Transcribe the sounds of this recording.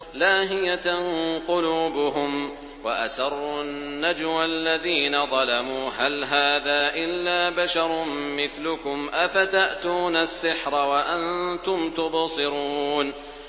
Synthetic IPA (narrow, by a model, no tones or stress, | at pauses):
laːɦɪjanqʊluːbʊɦʊm | waʔa̰sɑrˤːʊnːad͡ʒwalːaðiːnaðˤɑlamuːɦalɦaːðaːʔɪlːaːbaʃɑɾˤmɪθlʊkʊmʔafat̪aʔt̪uːnasːɪħɾˤɑwaʔant̪ʊmt̪ʊbsˤɨɾuːn